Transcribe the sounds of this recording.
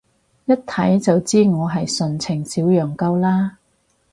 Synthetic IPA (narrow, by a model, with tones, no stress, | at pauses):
jɐ˥t̚t̪ʰɐ˨˥jt͡sɐ˨wt͡siː˥ŋɔː˨˧ɦɐ˨jsɵ˨nt͡sʰɪ˨˩ŋsiː˨˥wjœː˨ŋkɐ˧˥wlaː˥